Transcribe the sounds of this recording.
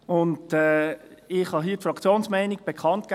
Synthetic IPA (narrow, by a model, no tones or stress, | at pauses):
ʊndɛːɪχhɑɦiːətfɾɑkt͡sjoːnsmɛɪniɡ̚b̥ekʰɑnt̚k